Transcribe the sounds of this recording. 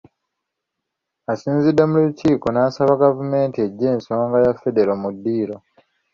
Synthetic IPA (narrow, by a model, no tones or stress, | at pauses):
asiːnzidːe̞muluciːko̞naːsaβaɡavume̞ːntie̞ɟːe̞ːnso̞ːŋɡajafːe̞de̞ɾomudːiːɾo̞